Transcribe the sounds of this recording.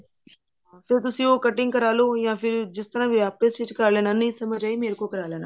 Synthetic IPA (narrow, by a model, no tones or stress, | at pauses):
fɪɾt̪̬ʊsĩːoːkəʈɪ̃ŋɡ̚kəɾaːloːjãːfɪɾd͡ʒɪst̪əɾãːbʱiʋaːpəsʈɪt͡ʃkəɾaːleːnãːnɐĩːsəməd͡ʒaːimeːɾkokɐɾaːleːnã̰ː